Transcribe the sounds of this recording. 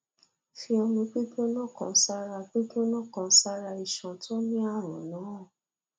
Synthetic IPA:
fi˧ɔ˧lũ˧k͡pi˦do˦nã˦˨kã̰˧sa˧ɾa˧k͡pe˦do˦nã˦˨kã˧sa˦˧ɾa˧i˨ʃã˨tʰo˦nĩ˦a˦˨ɾ̃ɔ̰̃˨nã˨˦˨

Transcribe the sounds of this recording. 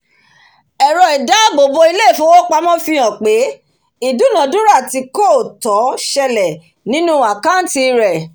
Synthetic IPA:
ɛ˨ɾɔ˨i˨da˨˦bo˨bo˧i˧le˦i˦˨fũ˨˦wo˦k͡pa˧mɔ̃˦fĩ˧ɔ̃˨k͡pe˨˦ | i˨du˨˦nã˨dũ˦ɾa˦˨ti˨˧ko˦˨tɔ˨˦ʃɛ˧lɛ˨ | nĩ˨˦nũ˦a˨ka˦n˦ti˧ɾɛ˨

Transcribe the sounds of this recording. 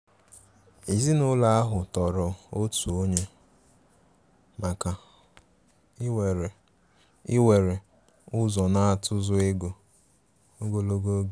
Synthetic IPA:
i˨zi˦nʊ˦la˦a˦ɦʊ˨tɔ˨ɾɔ˨o˦tu˨o˦ɲe˦ | ma˨ka˨˦˨ | we˨ɾe˨ | ʊ˦zɔ˨na˦a˨tʰʊ˦zʊ˦e˦ɡo˨ | o˦ɡo˦lo˦ɡo˦ɡe˨

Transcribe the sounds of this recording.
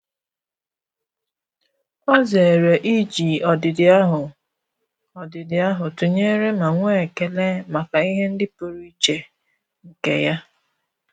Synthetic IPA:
ɔ˦ze˨ɾe˨ʔi˦d͡ʒi˨ɔ˨dɪ˨dɪ˨a˦ɦʊ˨ | ɔ˨dɪ˨dɪ˨a˦ɦʊ˨tu˨ɲe˦ɾe˦ma˨ŋʷe˦˨ke˨le˦ma˨ka˨i˦ɦe˦n̩˦dɪ˦po˨ɾu˦i˦t͡ʃe˨ | ŋ̩˨kḛ˨ja˦

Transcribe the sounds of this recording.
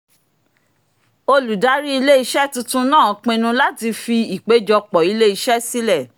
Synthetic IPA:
o˧lu˨da˨˦ɾi˦i˧le˦i˧ʃɛ˦tũ˧tũ˧nãː˦˨k͡pẽ˧nũ˧la˦ti˧fi˧i˨k͡pe˨˦d͡ʒɔ˧k͡pɔ˨i˨˧le˦i˧ʃɛ˦si˦lɛ˦˨

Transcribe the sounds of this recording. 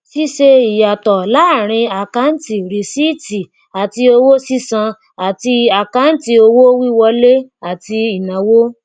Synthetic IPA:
si˦ʃe˧i˨ja˨tɔ˨la˨˦˨ɾ̃ĩ˧a˨ka˨˦n̩˦ti˨ɾi˨si˦˨ti˨ | a˨ti˧o˧wo˦si˦sã˧ | a˨ti˧a˨ka˨˦n̩˦ti˧o˧wo˦wi˦wɔ˧le˦a˨ti˧i˨nã˨wo˦

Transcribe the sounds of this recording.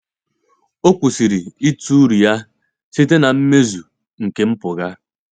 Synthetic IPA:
o˦kʷu˨si˨ɾi˨i˦tu˦ɾi˨ja˦ | si˦te˦na˨m̩˦me˦zu˨ | ŋ̩˨ke˦m̩˦pʊ˨ɣa˦

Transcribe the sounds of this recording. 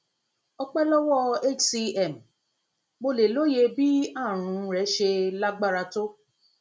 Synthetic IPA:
ɔ˧k͡pɛ˦lɔ˦wɔ˦e˦˨t͡ʃsi˧ɛ˨m̩˨ | mo˧le˨lo˦je˧bi˦a˦˨ɾ̃ũ˧˦ɾɛ˨˦ʃe˧la˦ɡ͡ba˦ɾa˧to˦

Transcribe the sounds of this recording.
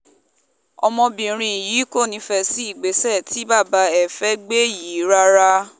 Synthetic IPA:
ɔ̰˧mɔ̃˧bĩ˨ɾ̃ĩ˧i˨ji˨˦ko˦˨nĩ˧˦fɛ˧si˨˦i˦˨ɡ͡be˨˦sɛ˦˨tʰi˨˦ba˦˨ba˧˦ɛ˨fɛ˦ɡ͡be˦ji˨˦ɾa˦ɾa˧

